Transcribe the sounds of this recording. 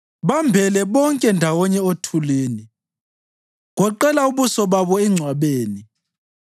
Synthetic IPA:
βambʱɛlɛβɔŋkʼɛndʱawɔɲɛotʰuleːni | ɣɔǃɛlauβusɔβaβɔɛŋ͡ǀʱwaβeːni

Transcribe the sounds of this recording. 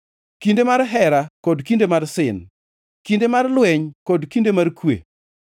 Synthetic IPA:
kindemaɾɦɛɾakɔdkindemarsɪn | kindemarlwɛɲkɔdkindemarkwḛ

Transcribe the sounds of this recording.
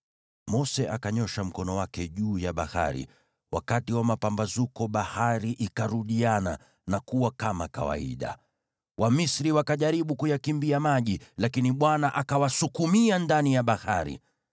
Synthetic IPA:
mɔsɛʔakaɲɔʃam̩kɔnɔwakɛʄuːjaɓaha̰ɾḭ | wa̰katiwamapambazukɔɓahaɾiʔikaɾuɗiana̰ | nakuwakamaka̰wa̰ḭɗa̰ | wʔamisɾiwakaʄaɾiɓukujakimbiamaʄilakiniɓwanaʔakawasukumiandanijaɓahaɾḭ

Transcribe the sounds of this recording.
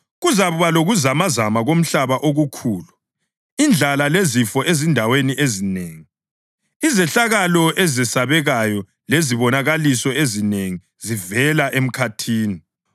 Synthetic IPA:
ɣuzaβuβaloɣuzamazamaɣom̩ɬaβaʔoɣukʰuːlu | ind͡ɮʱalalezifɔʔezindʱaweniʔezineːŋi | izɛɬaɣalɔʔɛzɛsaβɛɣajɔ | leziβɔnaɣalisɔezineŋi | zivɛlaʔem̩kʰatʰiːni

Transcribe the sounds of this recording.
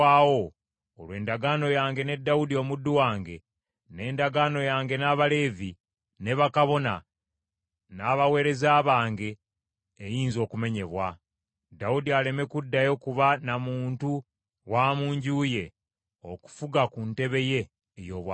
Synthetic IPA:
aːwo̞ | olwe̞ːndaɡaːno̞jaːŋɡe̞ne̞dːaudio̞ːmudːuwaːŋɡe̞ | ne̞ːndaɡaːno̞jaːŋɡe̞naːβale̞ːvi | ne̞βakaβo̞na̰ | naːβawe̞ːɾe̞zaːβaːŋɡe̞ː | jiːnzo̞ːkume̞ɲe̞βwa | daudiale̞me̞kudːajo̞kuβanamuːntu | waːmuːɲɟuːje̞ | o̰ku̥fuɡakunte̞βe̞je̞ː | jo̞ːβwa

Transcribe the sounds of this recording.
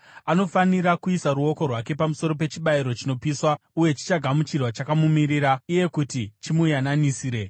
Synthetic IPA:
ano̞faniɾakuisaɾuo̞ko̞rwake̞pamuso̞ɾo̞pe̞t͡ʃiɓaiɾo̞t͡ʃino̞piswauje̞t͡ʃi̥t͡ʃaɡʱamut͡ʃirwat͡ʃakamumiɾiɾauje̞kutit͡ʃimujananisiːɾe̞

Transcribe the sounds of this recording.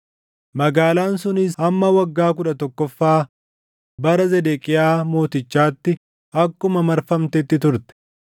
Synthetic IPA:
mɐɡaːlaːnsʊnɪsɐmːɐwɐɡːaːk̬ʊᶑɐt̪ɔkːɔfːaː | bɐɾɐzɛd̪ɛkʼɪjaːmo̞ːt̪ɪt͡ʃːaːt̪ːɪ | ɐkːʊmɐmɐɾfɐmt̪ɛt̪ːɪt̪ʊɾt̪ɛ̥

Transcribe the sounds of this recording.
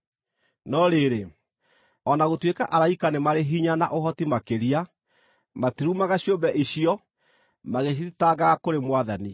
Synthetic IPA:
nɔɾeɾe | ɔnaɣotwekaʔaɾaikanemaɾeɦiɲana̰ʔoɦɔtimakeɾia | matiɾumaɣaɕjombɛʔiɕiɔ | maɣeɕ̬iðitaɣakoɾemwaðani

